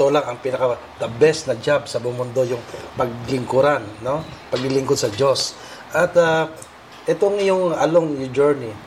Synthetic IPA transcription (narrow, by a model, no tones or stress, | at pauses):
t̪o̞laŋɐŋpɪnɐkɐ | t̪ɐbɛsnɐd͡ʒabsɐbomʊnd̪o̞jʊŋpɐɡ̚lɪŋkʊɾanːo̞pɐɡɪlɪŋkod̪sɐd͡ʒo̞s | ʔɐt̪a | ʔɛt̪oŋjʊŋɐloŋjʊd͡ʒɛɹni